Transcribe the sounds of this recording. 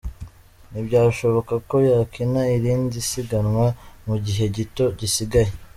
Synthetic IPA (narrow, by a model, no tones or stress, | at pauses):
nibɟaːʃo̞βo̞kako̞jaːkinaiɾiːnzisiɡanŋwamuɟiɦe̞ɟito̞ɟisiɡaje